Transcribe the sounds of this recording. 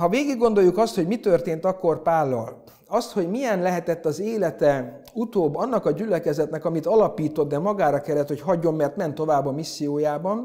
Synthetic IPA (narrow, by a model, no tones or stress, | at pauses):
ɦɒveːɡiɡːo̞nd̪o̞jːukɒst̪ho̞ɟmit̪ørt̪eːnt̪ɒkːo̞rpaːlːɒ̰l | ɒst̪ho̞ɟmijɛnlɛɦɛt̪ɛt̪ːɒzeːlɛt̪ɛ | ut̪oːbːɒnːɒkɒɟylɛkɛzɛt̪nɛkɒmit̪ɒlɒpiːt̪o̞d̪̚d̪ɛmɒɡaːɾɒkɛlːɛt̪ho̞chɒɟːo̞mːɛrt̪mɛnt̪ːo̞vaːbːɒmisːijoːjaːbɒn